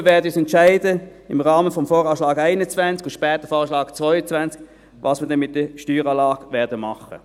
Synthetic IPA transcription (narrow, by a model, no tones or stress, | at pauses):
əvɛːɐdəyːsɛntʃaɪdəɪmʁɑːməfɔmfɔːʁɑːʃlɑːɡaɪnət͡svɛnt͡skʊʃpɛːtəfɔːʃlɑːɡt͡svɔʏət͡svɛnt͡sk | vɑːsməɐdɛnmɪt̚d̥əʃtyːʁɑːlɑːɡvɛːɐdəmɑχə̰